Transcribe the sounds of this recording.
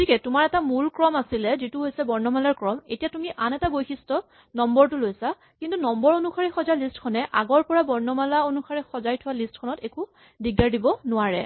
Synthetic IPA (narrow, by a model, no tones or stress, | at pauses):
tʰikɛtumaɹɛtamulkɹɔmasilɛzituɦojsɛbɔɹnɔmalaɹkɹɔmḛtijatumiʔanɛtabojxʰistɔ | nɔmbɔɹtulojsa | kintunɔmbɔɹonuxaɹixɔzajlistkʰɔnɛʔa̰ɡɔɹpɔɹabɔɹnɔmalaonuxʰaɹixɔzajtʰʊwalistkʰɔnɔteku | diɡaɹdibɔnʊwaɹɛ̰